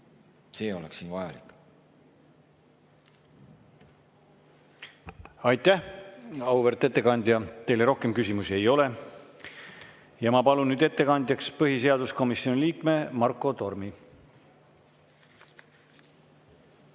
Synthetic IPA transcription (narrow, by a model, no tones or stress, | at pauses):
seːo̞leksiːnvɑjɑ̰likˑ | ɑjt̪ːˑæhɑwveɾt̪ːˑe̞t̪ːe̞kɑnʲd̪̥ʲjɑt̪e̞jleɾo̞hke̞mkysʲimusie̞jo̞le̞ | jɑmɑpɑlunnyːd̪e̞t̪ːe̞kɑnʲd̪̥ʲjɑkspɤɦise̞ɑd̪usko̞misio̞niliːkme̞mɑrkˑːo̞t̪o̞rmi